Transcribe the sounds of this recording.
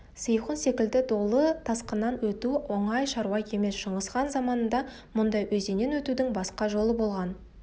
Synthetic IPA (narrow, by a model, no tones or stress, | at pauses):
sijχənse̞kʲɪld̪ɪd̪o̞lˠət̪ʰɑsqənːɑnwɵt̪uwoɴɑjʃɑɾuɑjkʲʰeme̞sʃəɴəsqɑnzɑmɑnənd̪ɑ | mʊnd̪ɑjwʔɵze̞ne̞nwɵt̪ud̪ɪŋbɑsqɑʒo̞lˠəbo̞lˠʁɑn